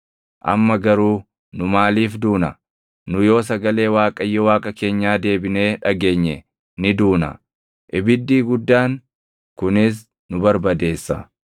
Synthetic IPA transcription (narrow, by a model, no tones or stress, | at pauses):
ʔɐ̰mːɐɡɐɾuː | nʊmaːliːfd̪uːnɐ | nʊjo̞ːs̬ɐɡɐle̞ːwaːkʼɐjːɔwaːkʼɐke̞ːɲːaːd̪e̞ːbɪne̞ːᶑɐɡe̞ːɲːɛ | nɪd̪uːnɐ̰ | ʔɪbɪd̪ːiːɡʊd̪ːaːn | kʊnɪs̬ | nʊbɐɾbɐd̪e̞ːsːɐ̰